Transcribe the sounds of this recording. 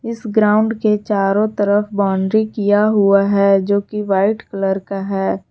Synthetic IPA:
ɪsɡɾaːʊ̃ɳɖket͡ʃaːɾõt̪ɐɾəfbaːɳɖɾikijaɦʊaɦɛːd͡ʒoːkiʋaːɪʈkələɾkaɦɛː

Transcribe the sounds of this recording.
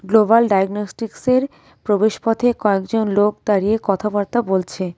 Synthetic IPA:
ɡlobalɖajɡnosʈikseɾ | pɾobeʃpɔt̪ʰekɔekd͡ʑonlok̚d̪aɾiekɔt̪ʰabaɾt̪abolt͡ɕʰe

